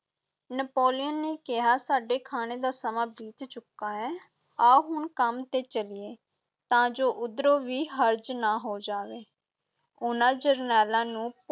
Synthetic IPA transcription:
nəpoːlɪjənːeːkɪɦaːsaːɖeːkʰaːneːd̪aːsəmãːbiːt̪t͡ʃʊkːaːɦɛː | aːɦʊɳkəmt̪eːt͡ʃəlɪeː | t̪ãːd͡ʒoːʔʊd̪ɾoːʋiːɦəɾd͡ʒnaːɦoːd͡ʒaːʋeː | ʊnãːd͡ʒəɾnɛːlãːnũː

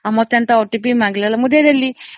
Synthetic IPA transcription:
ɐmot̪jɐnt̪ɐoʈːipimaŋɡilɐlɐmud̪ed̪ɐlːi

